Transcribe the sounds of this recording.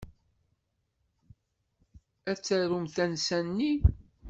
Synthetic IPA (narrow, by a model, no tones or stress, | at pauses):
æt͡sːæɾumθænsænːi